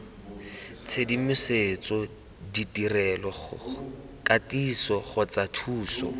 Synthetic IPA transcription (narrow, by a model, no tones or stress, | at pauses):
t͡sʰedimɪset͡sɔ | ditirɛlɔχʊ | kʼatisɔχʊt͡satʰuːsɔ̰